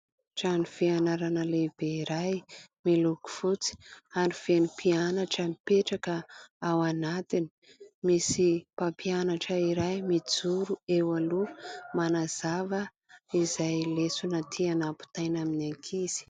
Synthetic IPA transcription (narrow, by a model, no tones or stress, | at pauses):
ʈ͡ʂanifianaɾanəleb̥eiɾajmiluku̥fut͡si̥aɾifenipʰianaʈ͡ʂəmipeʈ͡ʂakəawanat̪ini̥ | misipampʰianaʈ͡ʂəiɾajmid͡zuɾuewalumanaz̥avə | izajlesunat̪ʰianapu̥t̪ajnaminaŋkʰiz̥i̥